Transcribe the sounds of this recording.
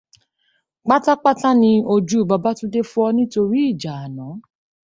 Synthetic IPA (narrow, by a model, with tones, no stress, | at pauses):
k͡pa˦ta˦k͡pa˦ta˦nĩ˧o˧d͡ʒu˦˨ba˧ba˦tũ˦de˦fũ˦ɔ˧nĩ˦to˧ɾi˦i˦˨d͡ʒa˨a˨nã˨˦